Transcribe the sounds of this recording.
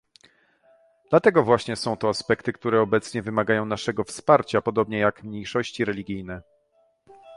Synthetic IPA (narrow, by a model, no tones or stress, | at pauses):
d̪lat̪ɛɡɔvwaɕɲɛsɔ̃w̃t̪ɔaspɛkt̪ɘkt̪uɾɛɔbɛt̪sɲɛvɘmaɡajɔ̃w̃naʂɛɡɔfspaɾt͡ɕapɔd̪ɔbɲɛjakmɲejʂɔɕt͡ɕiɾɛlʲiɡʲijnɛ